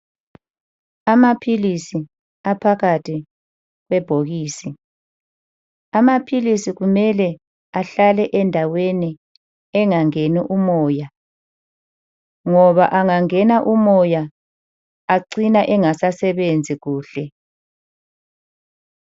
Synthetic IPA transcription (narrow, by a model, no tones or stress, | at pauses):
amapʰilisi | apʰaɣatʰi | ɣwɛb̥ʱoɣiːsi | amapʰilisiɣumɛlɛ | aɬalɛʔɛndʱaweni | ɛŋaŋeniʔumɔːja | ŋɔβaʔaŋaŋɛnaʔumɔja | aǀinaʔɛŋasasɛβend͡zʱiɣuːɬɛ